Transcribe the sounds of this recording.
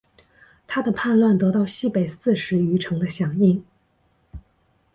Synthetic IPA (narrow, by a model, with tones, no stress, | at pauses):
t̪ʰa˥d̪ə˨pʰa˥˧nlwa˥˩nt̪ɤ˧˥t̪ɑ˥˧ʊɕi˥˩pe˨˩ɪsɹ̩˥˩ʂɻ̩˧˥y˧˥ʈ͡ʂʰɤ˧˥ŋd̪ə˧ɕjɑ˨˩ŋi˥˩ŋ